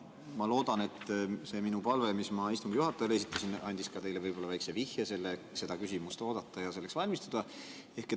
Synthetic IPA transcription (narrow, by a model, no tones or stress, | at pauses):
mɑlo̞ːd̪ɑne̞t̪ːˑse̞ːminupɑlve̞mismɑist̪uŋɡ̥juɦɑt̪ːˑɑjɑle̞sit̪ːˑɑsinɑnʲd̪̥iskɑt̪e̞jle̞vɤjbo̞lːɑvæjksevihjese̞lːe | se̞d̪̥ɑkysʲimust̪o̞ːd̪̥ɑt̪ːɑjɑse̞lːeksvɑlʲmist̪ud̪̥ɑ | e̞hke